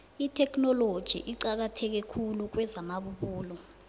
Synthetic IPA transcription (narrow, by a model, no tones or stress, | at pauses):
itʰɛkʰnɔlod̥ʒ̥ʱḭʔiǀak̬atʰɛk̬ɛkʰuluk̬wɛzamaɓuɓuːlɔ